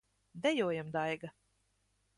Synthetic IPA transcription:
d̪ɛjuɔːjamd̪ajɡa

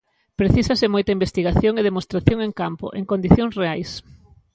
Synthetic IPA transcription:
pɾeθisɐsɪmojt̪ɐimbest̪iɣaθjoŋeð̞emost̪ɾaθjoŋeŋkampo̰ʔḛŋkond̪iθjõŋsreajs

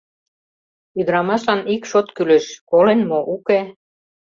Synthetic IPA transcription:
yd̪ə̆ɾɑmɑʃlɑnikʃot̪kylĕʃkolenmoʔuke

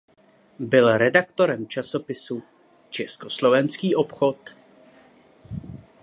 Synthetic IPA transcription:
bɪlɾɛdakt̪o̞ɾɛmt͡ʃaso̞pɪsu | t͡ʃɛskoslo̞vɛnskiːʔopxo̞t̪

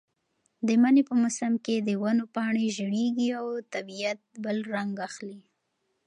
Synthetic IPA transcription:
d̪əmanepəmʊsamked̪əwanopɑɳeʒəɽeɡiawt̪abijat̪̚bəlɾaŋɡaxli

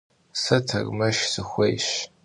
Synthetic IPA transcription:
sɐtʰɐ̰rmɐʃsɨxʷejɕ

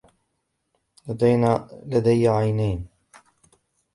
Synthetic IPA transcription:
lad̪ajnalad̪ajʕajnajn

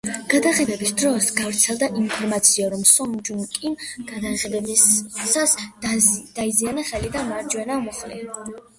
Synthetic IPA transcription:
ɡ̥ad̪aχɛd̪ɛbisd̪ɾɔsɡavɾt̪sʰɛlˠd̪aʔimpʰɔɾmat̪sʰiaɾɔmsɔnd͡ʒuŋkʼimɡ̥ad̪aɛd̪ɛsas | d̪̥aizianaχɛlid̪amaɾd͡ʒwɛnamɔχlɛ̰

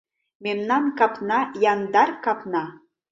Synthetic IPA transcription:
memnɑnkɑpnɑjɑnd̪ɑrkɑpnɑ

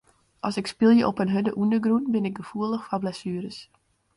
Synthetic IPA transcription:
ʔɔsɪkspɪlˠjəʔɔpənɦødəʔundəɡrunbɪnɪk̚ɡəfuəlˠəxfɔblɛsyəɾəs

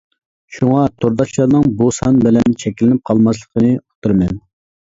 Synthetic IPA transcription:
ʃuŋɑt̪ʰoɾd̪ɑt͡ʃlˠɑɾnɨŋbusɑnbɪlɛnt͡ʃʰɛkʲlɪnɪp̚qʰɑlˠmɑs̬lˠəqʰənɨo̥t̪ʰɨɾmɛn

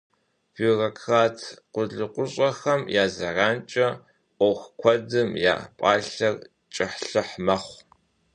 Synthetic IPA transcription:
fiːrɐkʰxaːtʰqʷʊɮɨqʷʊɕʼɐxɐmjaːzɐraːnt͡ʃʼɐ | ʔʷɔwxʷkʷʰɔdɨmja̰ːpʼaːɬɐr | t͡ʃʼɪħɬɨħmɐχʷ

